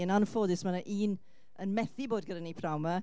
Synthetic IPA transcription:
ənanfoːdɪsmanaʔiːn | ənmɛθɪboːdɡədənipʰrawma

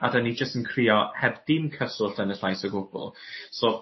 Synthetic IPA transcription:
a̰dənid͡ʒəstənkʰriːɔhɛbd̥ɪmkʰəsʊlɬənəɬajsəɡʊɡ̥ʊ̰lˠso

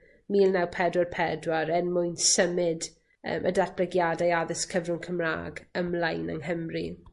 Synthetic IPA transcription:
miːlˠnawpʰɛdwarpʰɛdwaɾɛnmʊjnsəmɪd | ə̰ːmʔə̰dat̚b̥lɛɡjadajaðɪskʰəvrʊŋkʰəmra̰ːɡəmlajnəŋɦəmri

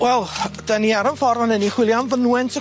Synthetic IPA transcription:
wɛlˠd̥aniaɾənfɔɾvɔnɛniχwɪlˠjamvənuwɛntʰə

